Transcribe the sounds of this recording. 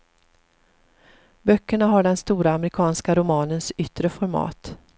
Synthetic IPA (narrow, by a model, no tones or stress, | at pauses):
bœkːəɳaɦaɖɛnst̪uːɾaːmɾɪkʰɑːnskaɾʊmɑːnənsʏt̪ːɾəfɔɾmɑ̰ːt̪